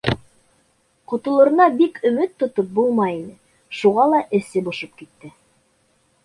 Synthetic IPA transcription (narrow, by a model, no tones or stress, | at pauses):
qŏt̪ŏlˠɤ̆ɾɤ̆nɑbikɵ̆mɘt̪ːŏt̪op̚bulˠmɑjinɘ | ʃuʁɑlˠɑʔɘ̆sɘbŏʃɤp̚kit̪ːɘ